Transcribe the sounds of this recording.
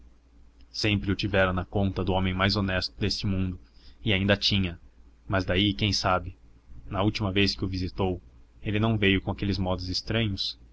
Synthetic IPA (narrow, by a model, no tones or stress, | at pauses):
sẽmpɾɪʊt͡ʃivɛɾɐnɐkõnt̪ɐd̪ʊõmẽj̃majzonɛst̪ʊd̪est͡ʃɪmũnd̪ʊɪaĩnd̪ɐt͡ʃĩɲɐmɐzd̪aikẽj̃sabɪnɐuwt͡ʃimɐveskɪʊvizit̪owelɪnɐ̃w̃vejʊkõakelɪzmɔd̪ʊzɪst̪ɾɐ̃ɲʊs